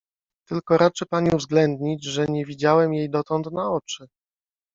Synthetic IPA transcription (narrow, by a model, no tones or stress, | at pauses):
t̪ɘlkɔɾat͡ʂɘpaɲiuvzɡlɛnd̪ɲid͡ʑʐɛɲɛvʲid͡ʑawɛmjejd̪ɔt̪ɔnt̪naɔt͡ʂɘ